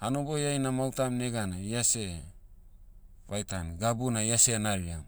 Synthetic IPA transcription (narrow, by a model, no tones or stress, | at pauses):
ano̞bo̞jajnamawtamne̞ɡanaiase̞ | βajtanɡabunaiase̞naɾiam